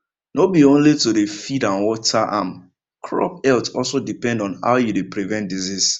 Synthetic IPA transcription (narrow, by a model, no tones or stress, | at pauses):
nobiõnlitudefidãnwɔtʰaʔã̰m | kʰɹɔ̰p̚ɛltɔlsodipɛ̃ndɔ̃nha̰ʊjudepɹivɛ̃ntdizis